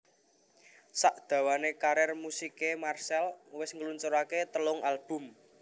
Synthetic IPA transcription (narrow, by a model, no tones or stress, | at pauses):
saʔd̪̥ä̤wanekaɾɛrmusikemarsɛlwɪsŋəlunt͡ʃoɾaket̪əlʊŋalb̥ʊ̤m